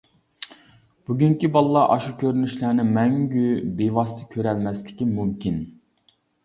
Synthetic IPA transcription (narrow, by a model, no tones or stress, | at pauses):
b̥yɡʲyŋkʲibɑlˠlˠɑʔɑʃukʲʰøɾynyʃlæɾnɪmɛŋɡʲybewɑst̪ʰɨkʲʰøɾɛlmɛslɪkʲimymkʲin